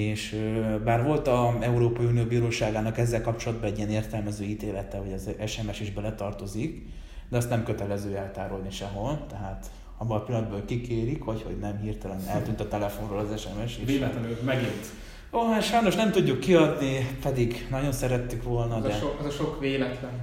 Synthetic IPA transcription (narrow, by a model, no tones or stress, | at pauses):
eːʃøbaːrʋo̞lt̪ɒɛuɾoːpɒjiuːnijoːbiːɾoːʃaːɡaːnɒkɛzːɛlkɒp̚t͡ʃo̞lɒd̪̚bɒɛɟːiɛneːrt̪ɛlmɛzøːiːt̪eːlɛt̪ɛɦo̞ɟɛzɛʃɛmɛʃiʒbɛlɛt̪ɒrt̪o̞zik | d̪ɛɒst̪nɛmkø̞t̪ɛlɛzøːɛlt̪aːɾolniʃɛɦo̞lt̪ɛɦaːt̪ | ɒbːolɒpilɒnd̪̚bøːlkikeːɾikhocho̞̰ɟnɛmhirt̪ɛlɛnɛlt̪yːnt̪ɒt̪ɛlɛfonroːlɒzɛʃɛmɛʃeːt̪ːmɛɡint̪ | oːɦaʃɒjno̞ʃnɛmt̪uɟːukːiɒd̪nipɛd̪iɡnɒɟo̞nsɛɾɛt̪ːykʋo̞lnɒd̪ɛɛzɒʃokʋeːlɛt̪lɛn